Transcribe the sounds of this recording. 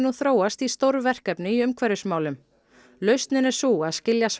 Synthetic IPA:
nuθɾoːwast̪ist̪owɾvɛr̥kɛpnɪiʏmkʰvɛɾʏsmaːwlʏm | lœɥst̪nɪnɛ̥suaðscɪljas

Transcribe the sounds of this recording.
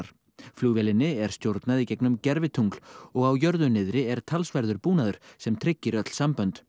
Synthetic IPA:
ɾ̥ | fluːɣvɛlɪnːɪɛɾ̥st̪jowɾt̪naðicɛjknʏmcɛɾvɪt̪ʰuŋkl̥ɔɣawjœɾðʏnːɪðɾɪɛɾ̥t̪ʰalsvaɾðʏɾpuːnaðʏɾ̥sɛmt̪ʰɾɪcːɪɾœt̪l̥sampœnt̪

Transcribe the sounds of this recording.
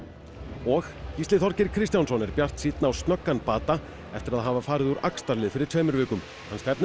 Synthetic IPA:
ɔxcist̪lɪθɔɾcɪɾ̥kʰɾist̪jansɔnɛɾpjar̥t̪siːt̪naawst̪nœkːanpaːt̪a | ɛft̪ɪɾaðɦavafaːɾɪðuɾʔa̰kst̪aɾlɪðfɪɾɪɾt̪ʰœːjmʏɾvʏːkʏm | hanst̪ɛpn

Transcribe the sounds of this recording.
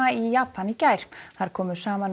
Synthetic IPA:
aijaːpanicajɾ̥θaɾ̥kʰɔːmʏ̥saːman

